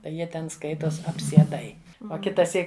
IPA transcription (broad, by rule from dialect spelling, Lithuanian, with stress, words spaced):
tɐɪ ˈjiɛ tʲɛn ˈskɐɪtoːs ɐpʲsʲiɛˈdɐɪ oː kʲɪtɐˈsʲiːk